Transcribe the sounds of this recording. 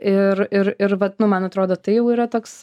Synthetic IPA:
ɪɾɪɾɪɾʋɐnʊmɐnɐt̪ɾoːd̪oːt̪ɐɪjɛʊiːɾɐt̪oːks

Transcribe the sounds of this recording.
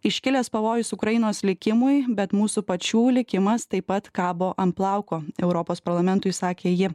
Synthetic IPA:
ɪʃʲkʲɪlʲɛspɐʋoːjʊsʊkɾɐjɪnoːslʲɪkʲɪmʊjbʲɛt̪muːsupɐt͡ʃʲuːlʲɪkʲɪmɐst̪ɐɪpːɐt̪kɑːboːʔɐmplˠɑˑʊkoːɛʊɾɔpoːspɐɾlˠɐmʲɛnt̪ʊɪsɑːkʲeːjɪ

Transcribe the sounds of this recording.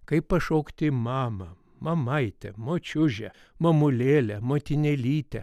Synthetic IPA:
kɐɪppɐʃoːkt̪ʲɪmɑːmɐ | mɐmɐɪt̪ʲɛ̰moːt͡ʃʲʊʒʲɛ | mɐmʊlʲeːlʲɛmoːt̪ʲɪnʲɛlʲiːt̪ʲɛ

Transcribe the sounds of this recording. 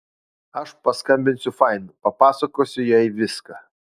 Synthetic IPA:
ɐʃpɐskɐmʲbʲɪnʲsʲʊfɑɪnupɐpɑːsɐkoːsʲʊjɛɪʋʲɪskɑ

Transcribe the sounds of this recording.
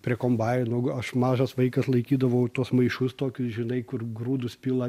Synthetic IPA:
pʲɾʲiɛkoːmbɑːjnʊɐʃmɑːʒɐsʋɐɪkɐslˠɐɪkʲiːd̪ɐʋɐʊt̪uɔsmɐɪʃʊst̪oːkʲʊsʒʲɪnɐɪkʊrɡɾuːd̪ʊspʲiːlˠɐ

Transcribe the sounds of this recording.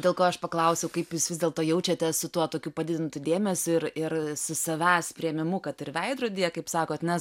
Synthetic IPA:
dʲeːlˠkoːɐʃpɐklˠɐʊsʲɛʊkɐɪpjuːsʋʲɪzd̪ʲeːlˠt̪oːjɛʊt͡ʃʲɛt̪ʲɛsʊt̪uɔt̪oːkʲuːpɐd̪ʲɪd̪ʲɪnt̪ʊd̪ʲeːmʲɛsʲʊɪrɪrsʊsɐʋʲæːspʲɾʲiɛmʲɪmʊkɐt̪ɪrʋʲɛɪd̪ɾoːdʲiːjɛkɐɪpsɑːkoːt̪nʲɛ

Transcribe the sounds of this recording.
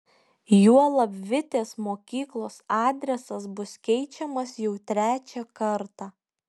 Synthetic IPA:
juɔlˠɐbʲʋʲɪt̪ʲeːsmoːkʲiːklˠoːsɑːd̪ʲɾʲɛsɐsbʊskʲɛɪt͡ʃʲɛmɐsjɛʊt̪ʲɾʲæːt͡ʃʲɛkɐɾt̪ɑː

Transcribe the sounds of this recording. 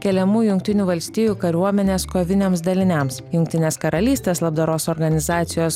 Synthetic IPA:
kʲɛlʲɛmuːjʊŋk̚t̪ʲɪnʲuːʋɐlʲsʲt̪ʲiːjuːkɐɾʲuɔmʲɛnʲeːskoːʋʲɪnʲeːmsd̪ɐlʲɪnʲɛmsjʊŋk̚ʲt̪ʲɪnʲeːskɐɾɐlʲiːsʲt̪ʲeːslˠɐb̚d̪ɐɾoːsɔɾɡɐnʲɪzɑːt̪sʲɪjoːs

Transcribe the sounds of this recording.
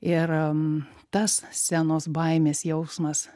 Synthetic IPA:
ɪɾ | t̪ɐssʲænoːsbɐɪmʲeːsjɛʊsmɐs

